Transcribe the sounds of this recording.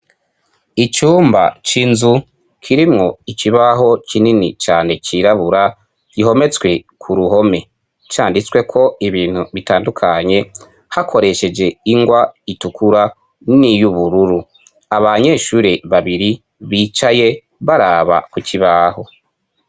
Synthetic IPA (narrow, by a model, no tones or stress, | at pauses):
it͡ʃuːmba̰t͡ʃinzu | kʰiɾimŋo̞iciβaɦo̞cininḭt͡ʃaːne̞t͡ʃiɾaβuɾa | ɟ̥iɦo̞me̞t͡sɡwe̞kʰuɾuɦo̞me̞ | t͡ʃaːndit͡swe̞kʰo̞iβiːn̥huβitaːndukʰaɲe̞ | hakʰo̞ɾe̞ʃe̞d͡ʒe̞iŋɡwaitukuɾa | nijuβuɾuɾu | aβaɲe̞ːʃuːɾe̞βaβiɾi | βiːt͡ʃaje̞ | βaɾaːβa̰kuciβaho̞